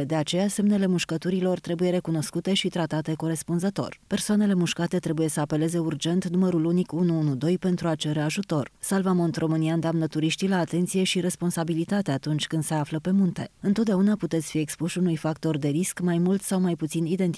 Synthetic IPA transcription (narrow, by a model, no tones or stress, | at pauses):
d̪e̞at͡ʃe̞jase̞mne̞le̞muʃkət̪uɾilo̞rt̪ɾe̞buje̞ɾe̞kuno̞skut̪e̞ʃit̪ɾat̪at̪e̞ko̞ɾe̞spunzət̪o̞̰rpersoane̞le̞muʃkat̪e̞t̪ɾe̞buje̞səape̞le̞ze̞urd͡ʒe̞nt̪numəɾulunikunuunud̪o̞jpe̞nt̪ɾuat͡ʃeɾe̞aʒut̪o̞rsalvamo̞nt̪ɾo̞mɨniand̪eamnət̪uɾiʃt̪ilaːt̪e̞nt̪sije̞ʃiɾe̞spo̞nsabilit̪at̪eat̪unt͡ʃʲkɨnd̪se̞afləpe̞munt̪e̞ɨnt̪ot̪d̪eaunaput̪e̞t̪sʲfiekspuʃʲunujfakt̪o̞rd̪e̞ɾiskmajmult̪sawmajput̪sinid̪e̞nt̪i